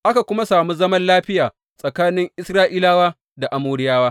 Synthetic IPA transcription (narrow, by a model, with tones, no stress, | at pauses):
ʔa˦ka˨kʷʊ˦ma˦saː˨mu˦zɐ˦mɐ˦nlaː˦ɸɪ˦jaː˨ | sʼɐ˨kaː˦nɪ˦ŋʔɪ˦sɾaː˦ʔiː˦laː˦waː˦ | da˨ʔa˨muː˦ɾɪ˦jaː˦waː˦